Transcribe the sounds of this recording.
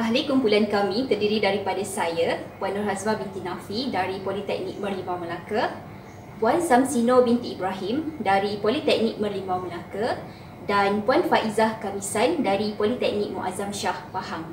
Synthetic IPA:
ʔaɦlikumpulankamĩt̪ərdiɾidaɾipadasajapwanɔrhasmabint̪inafidaɾipolit̪ɛk̚nik̚mərlimawmə̃laka | pwansamsinobint̪iːbɾaɦimdaɾipolit̪ɛk̚nik̚mə̃rlimawməlaka | danpwanfaʔizahkamisandaɾipolit̪ɛk̚nik̚muʔazamʃahpahaŋ

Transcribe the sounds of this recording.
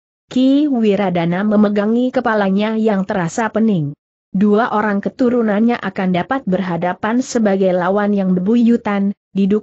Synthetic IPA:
kiwiɾadanaməməɡaŋikəpalaɲajaŋt̪əɾasapənɪŋ | duaʔoɾaŋkət̪uɾunanɲaʔakandapat̪̚bərɦadapansəbaɡajlawanjaŋbəbuijut̪an | diduk̚

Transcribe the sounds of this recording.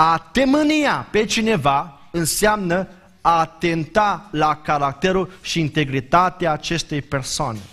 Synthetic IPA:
at̪eməniape̞t͡ʃine̞va | ɨnseamnə | aːt̪e̞nt̪alakaɾak̚t̪e̞ɾulʃiːnt̪e̞ɡɾit̪at̪eaːt͡ʃe̞st̪e̞jpe̞rsoane

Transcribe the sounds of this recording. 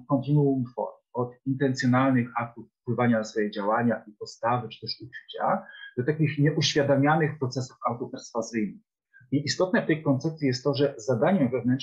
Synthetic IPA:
kɔ̃nt̪ɘnuumt̪fɔ̰ɾ | ɔt̪int̪ɛnt̪sʲjɔnalnɘxak̚t̪ufːpwɘvaɲasfɔjɛd͡ʑawaɲaʔipɔt̪st̪avɘt͡ʂɘ̥t̪ɛʂut͡ʂɘ̥t͡ɕa̰d̪ɔt̪akʲixɲɛʔuɕfʲjad̪amʲjanɘxpɾɔt̪sɛsu̥fawt̪ɔpɛɾsfazɘjnɨ | iʔist̪ɔt̪nɛft̪ɛjkɔnt̪sɛp̚t̪sʲijɛst̪ːɔʐɛzad̪aɲɛvɛvnɛnt͡ʂ

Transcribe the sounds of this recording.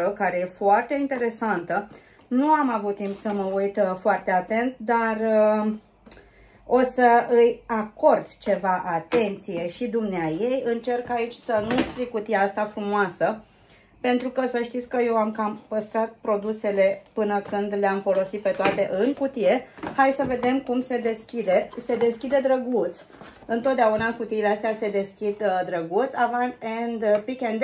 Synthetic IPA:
əkaɾe̞je̞foart̪e̞int̪e̞ɾe̞sant̪ə | nuamavut̪t̪ːimpsəməujt̪foart̪e̞at̪e̞nt̪̚d̪ar | o̞səɨjako̞rd̪t͡ʃe̞vaʔat̪e̞nt̪sije̞ʃid̪umneajejɨnt͡ʃe̞rkait͡ʃʲsənust̪ɾikut̪ijaast̪afɾumoasə | pe̞nt̪ɾukəsəʃt̪it̪sʲkəje̞wamkampəst̪ɾat̪̚pɾo̞d̪use̞le̞pɨnəkɨnd̪leamfo̞lo̞sit̪̚pe̞t̪oat̪e̞ʔɨŋkut̪ije̞hajsəve̞d̪e̞mkumse̞d̪e̞skʲid̪e̞se̞d̪e̞skʲid̪ed̪ɾəɡut̪s | ɨnt̪o̞t̪̚d̪eaunaɨŋkut̪iileast̪ease̞d̪e̞skʲid̪d̪ɾəɡut̪sʲavant̪end̪pikend̪

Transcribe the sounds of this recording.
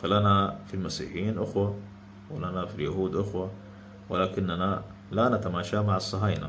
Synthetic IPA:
falanafilmasḭːħjiːnʔʊxwa | wɪlanafiljahuːd̪ʔʊxwa | wɪlaːkɪnːana | lanat̪amaːʃamaʕɑsˤːɑɦaːjna̰

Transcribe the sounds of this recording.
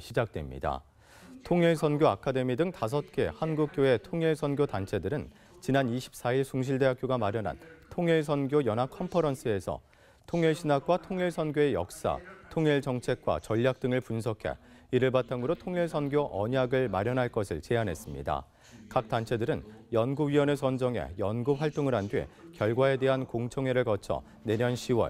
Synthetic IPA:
ɕʰid͡ʑak̚twe̞̰mɲḭda̰ | tʰoŋiɭsʰʌnɡjoakʰade̞midɯŋtas̬ʰʌt̚k͈e̞hanɡuk̚k͈joe̞tʰoŋiɭsʰʌnɡjotant͡ɕʰe̞dɯɾɯn | t͡ɕinaniɕʰi̥p̚s͈aiɭsuŋɕ̬ʰiɭde̞ɦakjoɡamaɾjʌnɦa̰ntʰoŋiɭs̬ʰʌnɡjojʌnɦakʰʌmpʰʌɾʌnsʰɯe̞sʰʌ̰ | tʰoŋiɭɕʰinak̚k͈watʰoŋiɭsʰʌnɡjoe̞jʌ̰k̚s͈a̰tʰoŋiɭt͡ɕʌŋt͡ɕʰe̞k̚k͈wa̰t͡ɕʌʎːak̚t͈ɯŋɯɭpunsʰʌkʰe̞̰iɾɯɭbatʰaŋɯɾotʰoŋiɭsʰʌnɡjoʔʌɲaɡɯɭmaɾjʌnɦaɭk͈ʌsʰɯ̰ɭt͡ɕe̞anɦe̞s͈ɯmɲḭda̰ | kak̚t͈ant͡ɕʰe̞dɯɾɯnjʌnɡuɥiwʌne̞sʰʌnd͡ʑʌŋe̞̰jʌnɡup̚ɸwaɭt͈oŋɯɾɦandɥḭkjʌɭɡwae̞de̞ɦankoŋt͡ɕʰʌŋeɾɯɭkʌt͡ɕʰʌ̰ | ne̞ɲjʌnɕʰiwʌ̰ɭ

